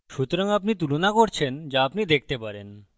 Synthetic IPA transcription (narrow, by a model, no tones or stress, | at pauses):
ʃut̪oɾaŋapnit̪̬ulonakoɾt͡ɕʰend͡ʑaapnid̪ek̚t̪epaɾen